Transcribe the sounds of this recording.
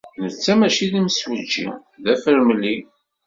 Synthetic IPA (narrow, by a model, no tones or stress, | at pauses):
nət͡sːæmæʃiðimswəd͡ʒːḭ | ðæfəɾməlːi